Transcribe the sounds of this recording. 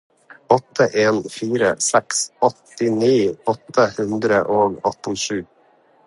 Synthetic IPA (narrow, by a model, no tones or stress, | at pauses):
ɔt̪ʰəʔeːnfiːɾəsɛksɔt̪ɪniːɔt̪ʰəhʉnd̪ɾəʔoːɡɑt̪̩ʃʉː